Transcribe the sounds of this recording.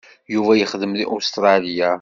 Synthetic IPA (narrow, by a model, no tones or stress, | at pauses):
juvæjəχəðəmðiʔust̪ɾˤɑlija